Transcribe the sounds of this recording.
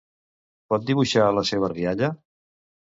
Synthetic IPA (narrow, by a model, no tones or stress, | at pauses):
pɔt̪̚d̪iβuʃaələseβ̞əriaʎə